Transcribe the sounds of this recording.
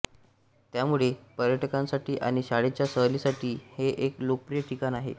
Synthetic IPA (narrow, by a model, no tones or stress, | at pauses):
t̪jamuɭepəɾjəʈʰəkãmsaʈiːʔaɽ̃iɕaɽet͡ɕjasəɦlisaʈʰiːheʔeklok̚pɾijəʈʰikanaɦḛ